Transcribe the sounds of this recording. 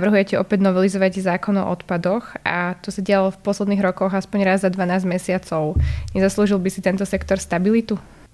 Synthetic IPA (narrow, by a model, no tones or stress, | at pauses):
naʋrɦujɛcɛʔɔpɛɟnɔʋɛlizɔʋaɟzaːkɔnɔ̰ʔɔt̪pad̪ɔxʔat̪ɔsaɟɪalɔfpɔslɛd̪niːɣɾɔkɔɣaspɔɲɾazzad̪ʋanaːzɟmɛsɪat͡sɔʊɲɛzasluːʒilˠbisit̪ɛnt̪ɔsɛkt̪ɔɾst̪abilit̪u